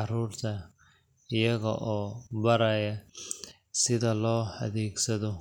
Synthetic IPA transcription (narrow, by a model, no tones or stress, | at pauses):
ɑruːrt̪ʰɐ | ɪjɐɣɐ̰ʔɔːbɐɾɐjɐ | sɪðɐlɔːhɐ̰ðɛːɡsɐðɔ